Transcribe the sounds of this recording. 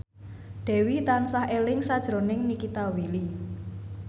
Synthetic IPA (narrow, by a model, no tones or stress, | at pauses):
ɖ̪̥ɛ̤wit̪ansaɦelɪŋsad̥ʒ̥ɾo̤nɪŋnikit̪awili